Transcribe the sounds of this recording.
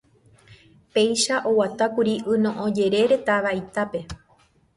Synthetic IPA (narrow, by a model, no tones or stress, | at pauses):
pe̞jʃaʔo̞wat̪akuɾiʔɨnõʔõd͡ʒe̞ɾe̞ɾe̞t̪aʋait̪ape̞